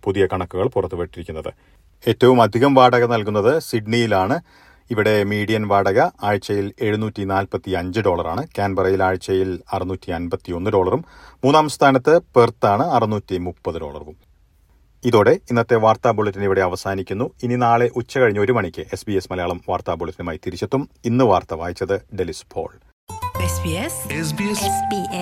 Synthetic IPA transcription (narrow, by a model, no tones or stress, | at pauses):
puðijɐkɐɳɐkːuɣɐɭpurɐt̪ːuʋeʈːiɾikʲːunːɐðɨ̰ | e̞ːtːɐʋumɐd̪ʱiɣɐmʋaːɽɐɣɐnɐlkunːɐðɨsiɖɳijilaːɳɨ | iʋiɽe̞miːɽijɐnʋaːɽɐɣɐaːɻt͡ɕːɐjile̞ɻunuːtːinaːlpɐt̪ːiɐɲd͡ʑɨɖo̞ːɭɐraːɳɨkʲaːnbɐrɐjilaːɻt͡ɕːɐjilɐrɨnuːtːiɐnbɐt̪ːio̞nːɨɖo̞ːɭɐrum | mːuːnːaːmst̪ʰaːnɐt̪ːɨpert̪ːaːɳɨɐrɨnuːtʲːimupːɐðɨɖo̞ːɭɐ̰rʋum | iðo̞ːɽe̞inːɐt̪ːe̞ʋaːrt̪aːboɭɐtːiniʋiɽe̞ɐʋɐsaːnikʲːunːuinːinaːɭe̞ʔut͡ɕːɐkɐɻiɲːuo̞ɾumɐɳikʲːɨʔe̞sbiesmɐlɐjaːɭɐmʋaːrt̪aːboɭɐtːinumaːjit̪iɾit͡ɕːɐt̪ːuminːɨʋaːrt̪ɐʋaːjit͡ɕːɐðɨɖelispʰo̞̰ːɭ | esbiesesbibi